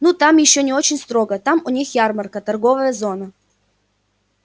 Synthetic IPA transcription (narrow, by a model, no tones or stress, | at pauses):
nut̪amjɪɕːonʲɪot͡ɕɪnʲst̪ɾoɡət̪amʊnʲixjarmərkət̪ɐrɡovəjəzonə